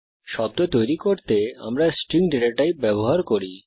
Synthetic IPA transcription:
ʃɔb̚d̪ot̪ojɾikoɾt̪ea̰mɾasʈɾiŋɖiɾek̚ʈajbɛboɦaɾkoɾi

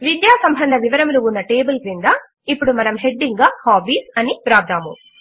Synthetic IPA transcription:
ʋid̪jaːsɐmbʱɐnd̪ʱɐʋiʋɐɾɐmɾuʋunːɐʈeːbulkɾind̪aː | ipːuɽumɐnɐmɦe̞ɖːiŋɡaːhaːbiːsɐnipɾaːb̚d̪ʱaːmṵ

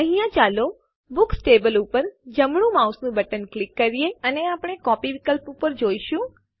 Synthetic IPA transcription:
ə̃ɦĩjãt͡ʃalo | bʊksʈebəlupəɾd͡ʒəmɽ̃ũmausnũbəʈənklɪkːəɾijeəneapəɽ̃ekɔpiʋikəlpupəɾd͡ʒoiʃũ

